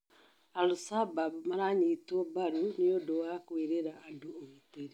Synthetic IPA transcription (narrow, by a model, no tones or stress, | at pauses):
aɾusababmaɾaɲitɔbaɾuniodowakweɾeɾaːdoomuteɾi